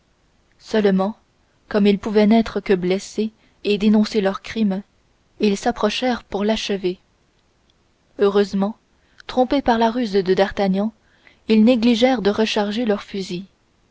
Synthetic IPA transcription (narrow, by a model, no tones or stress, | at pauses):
sœlmɑ̃ | kɔmilpuvɛnɛt̪χəkəblɛse | ed̪enɔ̃selœʁkχim | ilsapχɔʃɛːʁpuʁlaʃəve | øʁøzmɑ̃ | t̪χɔ̃pepaʁlaʁyzd̪əd̪aʁt̪aɲɑ̃ | ilneɡliʒɛʁd̪əʁəʃaʁʒelœʁfyzi